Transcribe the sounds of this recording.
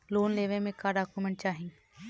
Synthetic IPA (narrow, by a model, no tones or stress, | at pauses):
loːnleːʋẽːmẽːkaːɾɖaːkuːmẽɳʈ̚t͡ʃaːɦĩ